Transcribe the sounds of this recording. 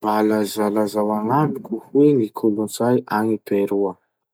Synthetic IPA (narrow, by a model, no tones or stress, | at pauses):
balazalazawaŋaɖ͡ʐukuhweŋikʰulunt͡sajʔaŋib̥eɾuə